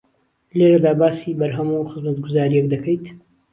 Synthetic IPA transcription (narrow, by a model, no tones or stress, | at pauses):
leɾɐd̪aːbaːsibɐɾɦɐmuːxɨzmɐt̪̚ɡʊzaːɾijɛk̚d̪ɐkʰəjt̪